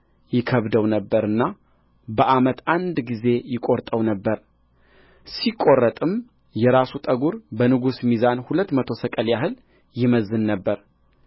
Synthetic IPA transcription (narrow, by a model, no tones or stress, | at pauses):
jɪkʰəβd̪əwnəbːəɾɨnːa | bəʔamət̪and̪ɡize̞jɪkʼo̞ɾt̪ʼəwnəbːəɾ | sikʼo̞rːət̪ʼɨm | jɛɾasut̪ʼəɡuɾbənɨɡusmizanhulət̪ːmət̪ʰo̞səkʼəljaɦɨl | jɪməzːɨnːəbːəɾ